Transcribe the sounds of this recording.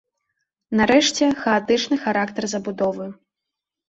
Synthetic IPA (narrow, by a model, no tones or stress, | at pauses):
nɐɾɛʂt͡sʲɛxɐat̪ɨt͡ʂnɨxaɾakt̪ɐrzɐbud̪ɔvɨ